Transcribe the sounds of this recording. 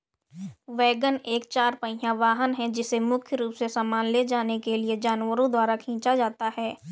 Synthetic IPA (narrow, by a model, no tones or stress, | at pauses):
ʋɛːɡəneːkt͡ʃaːɾpə̃ɪ̃ɦãʋaːɦənɦɛ̃d͡ʒɪsemʊkʰjəɾuːpsesaːmaːnled͡ʒaːnekelied͡ʒaːnwəɾõd̪waːɾakʰĩːt͡ʃad͡ʒaːt̪aɦɛː